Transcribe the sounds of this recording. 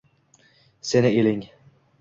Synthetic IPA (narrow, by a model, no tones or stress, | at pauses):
senɪelɪŋ